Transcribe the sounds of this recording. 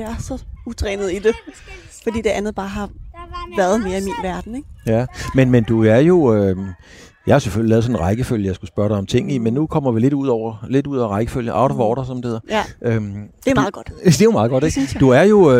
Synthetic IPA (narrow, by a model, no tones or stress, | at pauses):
eæɐsɒ̽ut͡sʰʁɛːnð̩ˠid̥e̝ | fɒ̽d̥ḭːd̥e̝ʔænð̞̩ˠb̥ɑ̈ːɦɑ̈ʋæɐð̞̩ˠme̝ːɐimḭːnʋæɐd̥n̩eɡ̥jæmenmend̥uæɐjo̝øm | jɑ̈ɪhɑseføljilɛːðˠsɒnnʁɑ̈ɪɡ̥əføljəjɑ̈ɪsɡ̥usb̥ɶɐɾɑ̈ɪɒ̽mt͡sʰe̝ŋ̰nimenːukʰɒ̽m̰ɐʋile̝d̥uð̞̰ˠɒʊ̰ɐle̝duð̞̰ˠɒ̰ɐʁɑ̈ɪɡ̥əføljəʔɑ̈ʊɾʋɒːɾ̥ɐsɒ̽md̥e̝he̝ð̰ˠɐʔømd̥emːðˠɡ̥ɒd̥d̥e̝mɑ̈ːð̩ˠɡɒd̥eɡ̥d̥uæɐjo̝